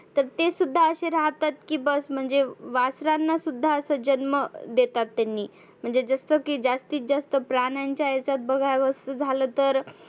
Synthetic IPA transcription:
t̪əɾt̪esud̪ʱːaəɕeɾaɦt̪at̪̚kiːbəsm̤əɳd͡zeʋasɾanːasud̪ʱːaəsəd͡ʑənməd̪et̪at̪ːanːiː | m̤əɳd͡zed͡zast̪əkiːd͡zast̪iːt̪̚d͡zast̪əpɾanjaɲt͡ɕjaət͡sat̪̚bəɡʱajʋəsəd͡zʱaləːt̪əɾ

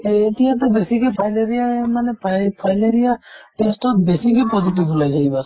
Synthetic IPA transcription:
et̪ijãt̪̬ɔbesikepʰajleɾijamanepʰapʰajleɾijaʈesʈɔt̪besikepɔd͡ʒiʈibulajd͡ʒaibaɾ

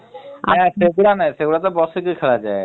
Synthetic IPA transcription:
seɡuɽanaiseɡuɽat̪̬ɔbɔsek̬ikʰeɭad͡ʒa̰e

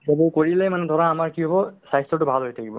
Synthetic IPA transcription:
ebuɹkoɹilɛmanɛd̪ʱɔɹaamaɹkiɦɔbɔsajstɹɔtʊbʱalɦojtʰakibɔ̰

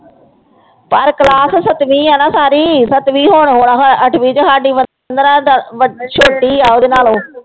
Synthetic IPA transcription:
pəɾkəlaːssət̪ʋĩːɛːnãːsaːɾiːsət̪ʋiːɦoːɳɦoːɽaːɦəʈʰʋiːd͡ʒəkaːɖiːʋə | nd̪əɾãːd̪ʋəʃʰoːʈːiːaːoːd̪eːnaːlõː

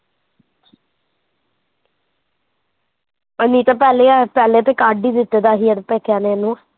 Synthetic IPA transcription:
əniːt̪aːpɛːleːaːpɛːleːt̪eːkaːɖiːd̪ɪt̪ːeːd̪aːɦiːɛd̪epɛːkʰjaːneːənːũː

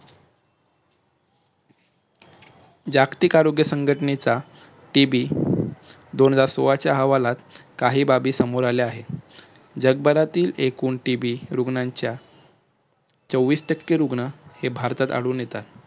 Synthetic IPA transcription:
d͡ʑakt̪ikaɾoɡjəsəŋɡʱəʈnet͡sa | ʈibiː | d̪ond͡zaɾsoʋat͡ɕjaɦəʋalat̪kaɦiːbabiːsəmoɾaleaɦe | d͡ʑəɡ̚bəɾat̪iːlekuːɳʈibiːɾuɡɳaɲt͡ɕja | t͡səʋːiːsʈəkːeɾuɡɳəhebʱaɾt̪at̪a̰ɽuːnjet̪at̪

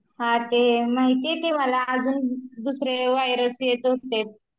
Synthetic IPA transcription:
hãt̪emaɦit̪et̪eməlaːd͡zuːnd̪usɾeʋajɾəsjet̪ɦot̪et̪̚

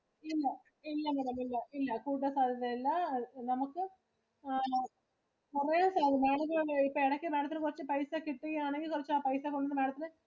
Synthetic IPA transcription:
ilːɐ | ilːɐnɐɾɐmilːɐʔilːɐkuːʈ̬ːɐsaːd̪ʱɐðɐilːɐnɐmukːɨ | purɐjaːnsaːd̪imeːɽɐkːɐɭːipːoeɽɐkʲːɨmeːɽɐt̪̬ːinɨkurɐt͡ɕːɨpɐjsakiʈːujaːneŋɡilkurɐt͡ɕːaːpɐjsaːkːuɳːɖunðɨmeːɽɐt̪ːinɨ

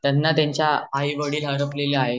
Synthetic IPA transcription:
t̪janːat̪jaɲt͡ɕjaaiʋəɽiːlɦəɾəpleleaɦe

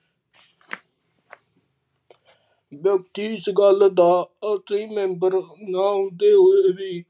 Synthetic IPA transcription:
bjəkt̪iːɪsɡəld̪aːət̪iːmɛ̃ːmbəɾnãːd̪eːɦoːeːbiː

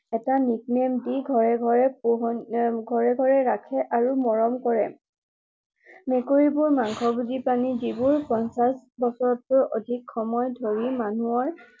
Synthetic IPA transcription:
ɛtanik̚nemdiɡʱɔɹɛɡʱɔɹɛpoɦɡʱɔɹɛɡʱɔɹɛɹakʰɛʔaɹumɔɹɔmkɔɹɛ | mekoɹibuɹmaŋkʰɔbudipanizibuɹpɔnsasbɔsɔɹɔt̚pʊɹo̰dʱikʰxɔmɔjdʱoɹimanuɔɹ

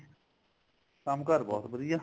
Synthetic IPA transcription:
kamkəɾbɔ̰ːt̪bəd̪ɪjaː

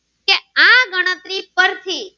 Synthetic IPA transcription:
keãɡəɽ̃ət̪ɾipəɾt̪ʰi

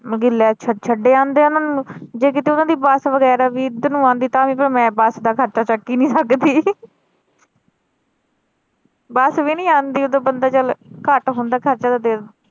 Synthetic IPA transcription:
ɡɪlːɛːt͡ʃʰət͡ʃʰəɖeːãːnd̪eːʊnãːnũd͡ʒeːk̬ɪt̪eːʊnãːd̪iːbəsʋəɡɛːɾaːʋiːd̪ənũːãːnd̪iːt̪ãːmĩːpəɾmɛ̃ːbəsd̪aːkʰəɾt͡ʃaːt͡ʃəkːiːnĩːsəkd̪iː | bəsʋiːnĩːaːnd̪iːod̪õːbənd̪aːt͡ʃəlkəʈɦõːnd̪aːkʰəɾt͡ʃaːd̪aːd̪eː

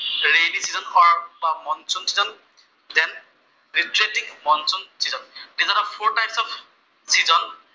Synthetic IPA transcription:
ɹenisizɔnxɔɹbamɔnsɔnsizɔn | dɛn | ɹitɹetĩŋmɔnsɔnsizɔndizɔnɔpʰoɹtajpsɔf | sizɔn

